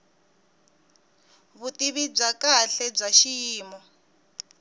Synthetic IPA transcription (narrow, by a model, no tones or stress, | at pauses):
βutiβib͡ʐakaɬɛb͡ʐaʃijiːmɔ